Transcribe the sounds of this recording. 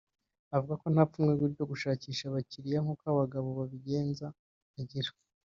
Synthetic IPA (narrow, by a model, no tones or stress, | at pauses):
avuɡako̞n̥haːp͡fumŋeɡwiːɾɟo̞ɡuʃaːciːʃaβaciɾijaŋukaβaɡaβo̞βaβiɟe̞ːnzaː | ɟiɾa